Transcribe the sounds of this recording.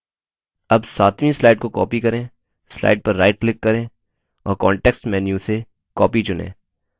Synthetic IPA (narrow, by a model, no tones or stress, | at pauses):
ɐbsaːt̪ʰmĩslaːɪʈ̚kokɔːpikɐɾẽː | sla̰ːɪɖ̚pɐɾːaːɪʈ̚klɪkːɐɾẽː | ɔ̰ːɾkɔːɳʈɛːksʈmɛːnjũse | kɔːpit͡ʃʊnḛ̃ː